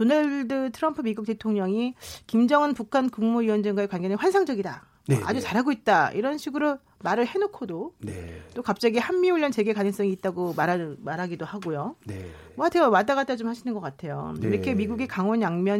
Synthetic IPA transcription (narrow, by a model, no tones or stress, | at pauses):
tonaɭdɯtʰɯɾʌmpʰɯmiɡuk̚t͈e̞tʰoŋɲʌŋikimd͡ʑʌŋɯnpukʰankuŋmuiwʌnd͡ʑaŋɡwaekwanɡʌnɯɸwansʰaŋd͡ʑʌɡida | nea̰d͡ʑut͡ɕaɾɦaɡoit̚t͈aʔḭɾʌnɕʰiɡɯɾo | maɾɯɭhe̞nokʰodonḛt͈okap̚t͡ɕ͈aɡihamːiuʎːʌnt͡ɕe̞ɡe̞kanɯŋs͈ʌŋiːt̚t͈aɡomaɾamaɾɦaɡidohaɡojon | mʌatʰɯɡawat͈aɡat͈at͡ɕomhaɕʰinɯnɡʌk͈atʰe̞jo̰iɾʌkʰe̞miɡuɡekaŋwʌnjaŋmjʌn